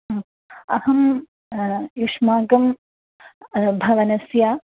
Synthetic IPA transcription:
ɐhɐm | juʂmaːɡɐm | bʱɐʋɐnɐsjaː

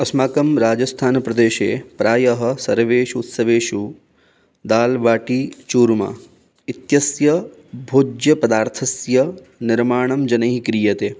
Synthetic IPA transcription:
ɐsmaːkɐmɾaːd͡ʒɐst̪ʰaːnpɾɐd̪eːʃḛːpɾaːjɐɦɐ̆sɐɾʋeːʃut̪sɐʋeːʃu | d̪aːlʋaːʈit͡ʃuːɾma̰ː | it̪jɐsjɐ | bʱod͡ʒjɐpɐd̪aːɾt̪ʰɐsjɐ | nɪɾmaːɳ̃ɐmd͡ʒɐnɐɦikɾiːjɐt̪eː

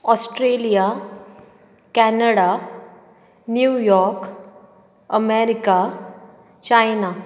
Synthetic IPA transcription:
ɔsʈɾelija | kɛnəɽa | njujɔɾk | əmeɾika | t͡ɕajna

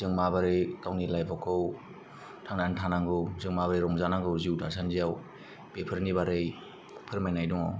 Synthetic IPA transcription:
zɯŋmabaɾɯjkawnilajpʰɔkʰɯw | tʰaŋnantʰanaŋɡɯwzɯŋmabaɾɯɾɔŋzanaŋɡɯwziwdasʰanzijaw | pepʰɯɾnibaɾɯj | pʰɯɾmajnajdɔŋa̰w

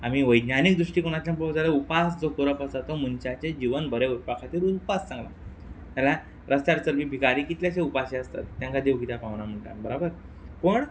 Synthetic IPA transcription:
amiːʋəjd̪nanik̚d̪ɾuʂʈiːkoɽ̃at͡ɕ̪jãmpɾod͡zaləupasd͡zokuɾəpəsat̪omunt͡ɕat͡ɕed͡ʑiʋənbəɾeupakʰat̪iːɾunpassãŋɡla | t̪jala | ɾəst̪jaɾt͡səɾʋiːbʱikaɾiːkit̪ljat͡ɕeupaɕeəst̪a̰t̪ːjãŋkad̪eʋkit̪apãʋnam̤əɳʈa̰nbəɾabəɾ | pəɳ

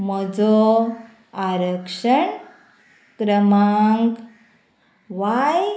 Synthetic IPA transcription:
mɔd͡zɔ | aɾəkʂəɳ | kɾəmaŋk | ʋaj

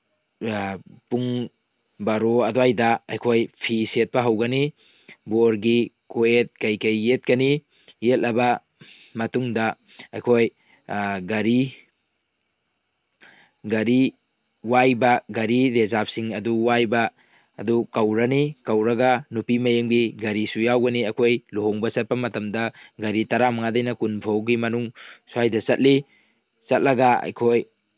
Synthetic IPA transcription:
puŋ | bɐɾoɐdoajdɐɐ̰jkʰojpʰiset̚pɐɦɐwɡɐni | boɾɡi | koet̚kɐjkɐjːet̚kɐniː | et̚lʔɐbɐ | mɐtuŋdɐ | ɐ̰jkʰoj | ɡɐɾi | ɡɐɾi | wajbɐɡɐɾiɾezap̚siŋɐduwajbɐː | dukɐwɾɐnikɐwɾɐɡɐnupimɐjemɡiɡɐɾisujawɡɐniɐjkʰojluɦoŋbɐsɐt̚pɐmɐtɐmdɐɡɐɾitɐɾamɐŋadɐjnɐkunpʰowɡimɐnuŋsuajdɐsɐt̚li | sɐt̚lɐɡɐɐ̰jkʰoj

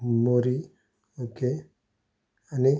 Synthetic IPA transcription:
moɾi | oke | ani

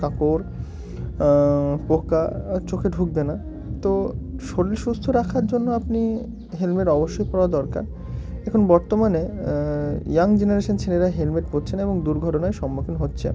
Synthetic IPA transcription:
kakoɾ | pokat͡ɕokʰeɖʱuɡ̚bena | t̪oʃoɽliʃust̪ʰoɾakʰaɾd͡ʑonːoapni | ɦelmeɾɔboʃːojpɔɾoad̪ɔɾka̰ɾ | ɛkʰonbɔɾt̪omane | jaŋd͡ʑeneɾeʃont͡ɕʰeleɾaɦelmeʈ̚potːt͡ɕʰeneboŋd̪uɾɡʱɔʈonaeʃɔmːokʰinɦotːɕʰḛ

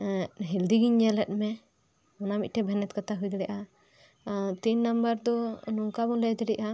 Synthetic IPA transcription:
ɦild̪iɡiɲːɛlɛt̚mɛ | ɔnamḭc̚ʈɛbʱɛnɛt̪kat̪aɦujd̪ɽɛʔa | t̪iɲnambəɾd̪ɔnɔŋkabɔnlɛjt̪ɛɖɛʔa

